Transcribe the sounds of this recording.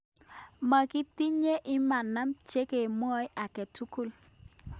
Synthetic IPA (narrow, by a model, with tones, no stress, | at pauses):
ma˨ki˦ti˦ɲe˦ʔɪ˦ma˨na˦mt͡ʃe˦ke˨mwɔ˦jʔa˨kɛ˨tu˦ku˦˨l